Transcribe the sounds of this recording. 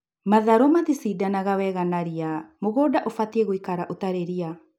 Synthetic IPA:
maðaɾɔmaðisidanaɣawɛɣanaɾiamoɣɔːdaʔofatiɛɣoikaɾaʔotaɾeɾia

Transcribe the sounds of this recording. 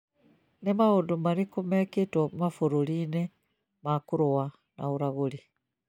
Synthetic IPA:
nemaɣondomaɾikomeketwɔmafoɾuɾine | makuɾowa | nauɾaɣoɾi

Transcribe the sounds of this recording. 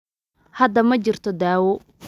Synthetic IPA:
hɐd̪ɐmɐt͡ʃɪrt̪ʰɔd̪aːwɔ

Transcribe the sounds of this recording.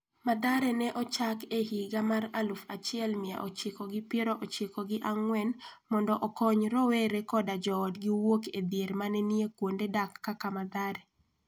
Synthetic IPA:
mad̪aɾɛnɛʔɔt͡ʃakehiɡamaɾalufat͡ʃɪɛlmɪa̰ʔot͡ʃɪkɔɡɪpeɾoʔot͡ʃekɔɡɪʔaŋwɛnmɔndɔʔɔkɔɲɾɔweɾekɔdad͡ʒɔːdɡɪwoked̪jeɾmanɛniekwondedakːakamad̪aɾe

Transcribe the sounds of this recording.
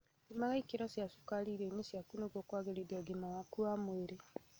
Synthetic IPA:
imaɣaikeɾasjasu̥kaliɾeɲesjakunoɣokwaɣeɾedaɡemawakuamweɾe

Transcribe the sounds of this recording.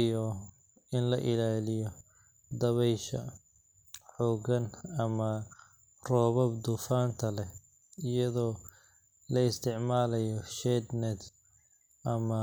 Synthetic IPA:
jɔ | ɪnlɐʔɪlaːlɪjɔ | d̪ɐβɛjʃɐ̰ | ħɔːɡɐnɐmɐ | rɔːβɔbd̪ʊfaːnt̪ʰɐlɛ | ɪjɐðɔː | lɐɪst̪ʰɪʕmaːlɐjɔʃɛd̪nɛt̪ | ʔɐmɐ

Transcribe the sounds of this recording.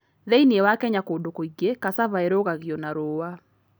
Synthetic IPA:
ðeinjewakɛɲakodokoiɡːekasaβaeɾoɣaɡjonaɾoːwa

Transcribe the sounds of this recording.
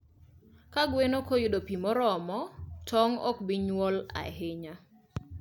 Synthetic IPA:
kaɡwenokojʊdopimɔɾɔmɔtʰɔŋɔ̰kbiɲwɔla̰ɦeɲa

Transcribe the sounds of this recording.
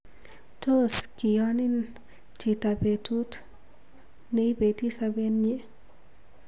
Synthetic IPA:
toskijanin | t͡ʃitabetut | nɛjbetisabenɲɛ

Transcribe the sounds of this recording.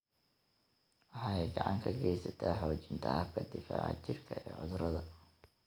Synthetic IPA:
wɑħɑːɛjɡɑʕɑŋkʰɐɡɛjsɐt̪ʰaːɦɔːt͡ʃɪnt̪ʰɐhɐb̚kʰɐd̪ɪfa̰ːʕɑ̰t͡ʃɪrkʰɐɛːʕʊðɾɐðɐ

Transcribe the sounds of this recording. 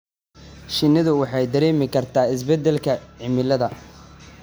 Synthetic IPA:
ʃɪnːɪðʊwɑħɑjd̪ɐɾɛːmɪkʰɐrt̪ʰaːɪs̬bɛd̪ɛlkʰɐʕɪmɪlɐðɐ

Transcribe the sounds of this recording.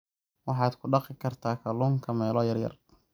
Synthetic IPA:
wɑħɑːd̪kʰʊɖɑqɪkʰɐrt̪ʰaːkʰɐluːŋkʰɐmɛːlɔːjɐrjɐ̰r

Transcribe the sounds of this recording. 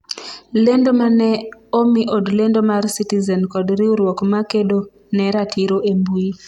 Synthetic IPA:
lendomanɛomiʔodlendomarsitizɛnkɔdɾiuɾwɔkmakeɗo | nɛɾatʰiɾoʔembui

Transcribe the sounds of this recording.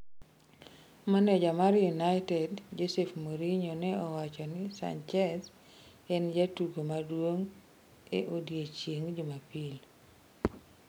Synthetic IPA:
manɛd͡ʒamaɾjunajtɛdd͡ʒosefmoɾiɲonɛɔwat͡ʃɔnɪsa̰nt͡ʃɛs | ɛnd͡ʒatuɡomadwoŋ | eʔodjet͡ʃjeŋd͡ʒomapil

